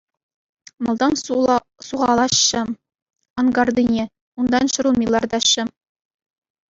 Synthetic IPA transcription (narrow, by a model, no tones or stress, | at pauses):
mɑlˠd̪ɑn | suʁɑlˠɑɕːɤ̆ | ɑŋɡɑrd̪inʲe | und̪ɑnɕɤ̆ɾumʲilˠɑrd̪ɑɕɤ̆